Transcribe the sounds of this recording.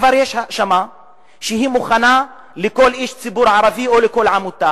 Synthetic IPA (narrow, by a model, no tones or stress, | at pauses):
vaɾjeʃʃama | ʃeɦimuχana | leko̞liʃt͡sibuɾʕaɾavio̞leko̞lʕamut̪a